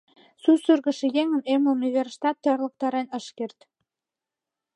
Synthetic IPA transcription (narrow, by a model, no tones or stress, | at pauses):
susyrɣə̆ʃĕjeŋə̆neməuniverʃt̪ɑt̪ːərlə̆k̚t̪ɑɾenəʃkert̪